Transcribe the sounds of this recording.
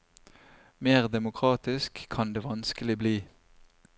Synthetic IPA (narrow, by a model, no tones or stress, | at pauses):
meːʁd̪ɛmʊkʰʁɑːt̪ɪskʰːɑnd̪eːʋɑnskəlɪbliː